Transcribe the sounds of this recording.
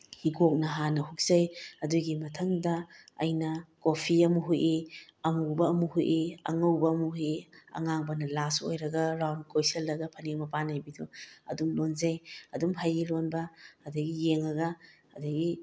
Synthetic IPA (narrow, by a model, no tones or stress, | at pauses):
hiɡok̚nɐɦanɐhuk̚zɐjɐduɡimɐtʰɐŋdɐ | ɐ̰jnɐkopʰiɐmuɦujʔiɐmubɐːmuhuʔiɐ̰ŋɐwbɐːmuɦujiɐ̰ŋaŋbɐnɐlaso̰jɾɐɡɐɾawnkojsɐlːɐɡɐpʰɐneŋmɐpanajbiduɐ̰dumlonzɐjɐdumɦajɡilonbɐːdɐɡijeŋɐɡɐː | dɐɡi